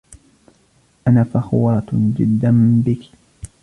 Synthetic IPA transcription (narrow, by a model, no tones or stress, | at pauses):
ʔanaːfaxwaːt̪d͡ʒɪ̰d̪ːanbɪki̥